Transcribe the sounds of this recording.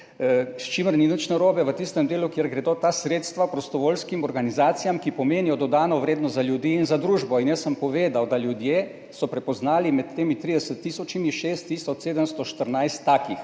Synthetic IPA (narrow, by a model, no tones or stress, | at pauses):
st͡ʃiməɾninət͡ʃnɛɾoːbɛʋət̪ist̪ɛmd̪eːlukjeɾɡɾɛd̪oːt̪asɾeːt̪st̪ʋapɾɔst̪ɔʋoːlskimɔɾɡanizaːt̪sijamkipɔmeːnijɔd̪ɔd̪aːnɔʋɾeːd̪nɔst̪zaljud̪iːinzad̪ɾuːʒbɔinjəsːəmpɔʋeːd̪awd̪aljud̪jeː | sɔpɾɛpɔznaːlimɛt̪ːeːmit̪ɾid̪ɛsət̪ːiːsɔt͡ʃimiʃeːst̪ːisɔt͡ʃseːd̪əmst̪ɔʃt̪əɾnajst̪ːaːkix